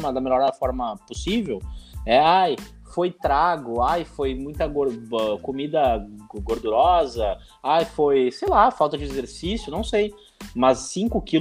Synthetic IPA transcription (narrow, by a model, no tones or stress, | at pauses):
mɐd̪ɐmeʎɔɾfɔɾmɐposivewɛaj | fojt̪ɾaɡʊajfojmũj̃t̪ɐɡoɾɛkomid̪ɐɡoɾd̪uɾɔzɐ | ajfojsejlafawt̪ɐd͡ʒɪezeɾsisjʊnɐ̃w̃sej | mɐzːĩkʊki